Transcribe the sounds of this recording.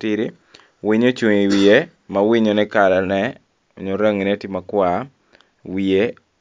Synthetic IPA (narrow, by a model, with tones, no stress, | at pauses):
tiɾi˦ | wiɲo˦t͡ʃu˨ŋi˨wi˨e˦ | mawiɲo˨nɛ˦ka˨la˨nɛ | o˨ɲo˨ɾa˦ŋi˨nɛ˦ti˦makwa | wi˨e˦